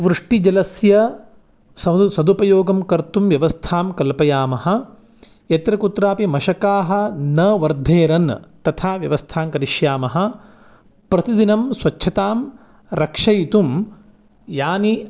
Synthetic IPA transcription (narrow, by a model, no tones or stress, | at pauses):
ʋɾuʂʈid͡ʒɐlɐsjɐ | sɐsɐd̪upɐjoːɡɐmkɐɾt̪umʋjɐʋɐst̪ʰaːmkɐlpɐjaːmɐɦɐ̆ | jɐt̪ɾɐkut̪ɾaːpimɐʃɐkaːɦɐ̆nɐʋɐɾd̪ʱeːɾɐnt̪ɐt̪ʰaːʋjɐʋɐst̪ʰaːmkɐɾiʃjaːmɐɦɐ̆ | pɾɐt̪id̪inɐmsʋɐt͡ʃːʃʰɐt̪aːm | ɾɐkʂɐjit̪um | jaːni